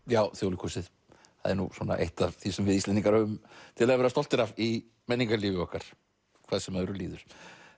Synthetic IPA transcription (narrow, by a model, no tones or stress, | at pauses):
jaːwθjowlɪkʰusɪð | ha̰ðɛ̰ɾnṵsɔna̰ʔḛjht̪avθisɛmvɪðjist̪ɪniŋkaɾœʏmt̪ʰɪlaðvɛɾast̪ɔl̥t̪ɪɾavi | mɛnːiŋkaliːvɪɔhkaɾ̥ | kʰvaːðsɛmaɾʏliːðʏɾ̥